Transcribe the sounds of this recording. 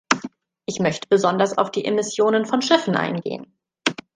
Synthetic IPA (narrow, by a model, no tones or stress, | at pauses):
ʔɪçmœçtəbəzɔndɐsa̰ʊfd̥iːʔemɪsjoːnənfɔnʃɪfn̩ʔa̰ɪnɡḛːə̰n